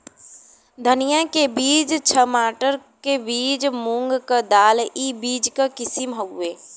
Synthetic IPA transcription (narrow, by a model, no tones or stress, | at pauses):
d̪ʱənijakebiːd͡ʒt͡ʃʰəmaːʈəɾkebiːd͡ʒmũŋɡkad̪aːlibiːd͡ʒkakɪsimɦɐueː